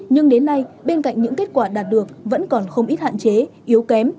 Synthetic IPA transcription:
ɲɨ˧ŋɗe˨˦nːa˧jɓe˧nka̰˧˨jŋ̟ɲɨ̰˧˥ŋke˦˥t̚kwaː˧˩ɗaː˨˩t̚ɗɨ˨˩ək̚və̰˧˥nkɔ˨˩nxə˧wŋ͡mʔi˦˥t̚ha̰ː˧˨nt͡ɕe˨˦ʔi˨˦əwkɛ˨˦m

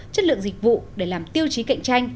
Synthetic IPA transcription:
t͡ɕə˦˥t̚lɨ̰˧˨əŋzi˨˩k̟̚vṵ˧˨ɗe˧˩laː˨˩mt̪i˧əwt͡ɕi˨˦ka̰˧˨jŋ̟t͡ɕa˧jŋ̟

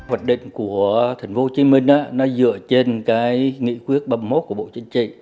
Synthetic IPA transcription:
hwaː˨˩nɗḭ̈˧˨ŋ̟ku˧˩ət̪ʰi˨˩jŋ̟fo˧˦t͡ɕi˨˦mï˧˩ŋ̟ʔa̰ː˧nɔ˨˦zɨ̰˧˨ət͡ɕe˧nkaː˨˦jŋḭ˧˥kwi˦˥ət̚ɓa˧mmo˦˥t̚ku˧˩əɓo̰˧˨t͡ɕï˨˦ŋ̟t͡ɕḭ˧˨

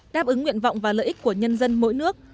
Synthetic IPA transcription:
ɗaː˦˥p̚ʔɨ˨˦ŋːwḭ˧˨ənva̰˧˨wŋ͡mvaː˨˩lə̰ː˧˨ʔi˦˥k̟̚ku˧˩əɲə˧nzə˧nmo̰˧˥jnɨ˦˥ək̚

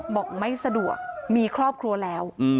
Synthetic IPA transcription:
bɔː˨˩k̚ma˥˩jsa˧du˨˩ək̚miː˧kʰɾɔː˥˩p̚kʰɾu˧ɐlɛː˦˥w

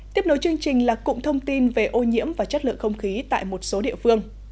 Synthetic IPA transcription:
t̪i˦˥əp̚ɗo˨˦jt͡ɕɨ˧əŋt͡ɕï˨˩ŋ̟laː˨˩kʊ̰˧˨ŋ͡mt̪ʰə˧wŋ͡mt̪i˧nve˨˩ʔo˧ɲḭ˧˥əmvaː˨˩t͡ɕə˦˥t̚lɨ̰˧˨əŋxə˧wŋ͡mxi˨˦t̪a̰ː˧˨jmo˨˩t̚so˨˦ɗḭ˧əfɨ˧əŋ

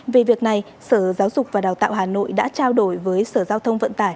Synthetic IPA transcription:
ve˨˩vi˨˩ək̚na˨˩j | səː˧˩zaː˨˦wzʊ˨˩k͡p̚vaː˨˩ɗaː˨˩wt̪a̰ː˧˨wɦaː˨˩no̰˧˨jɗa̰ː˧˥t͡ɕaː˧wɗo˧˩jvəː˨˦jsəː˧˩zaː˧wt̪ʰə˧wŋ͡mvə̰˧˨nt̪aː˧˩j

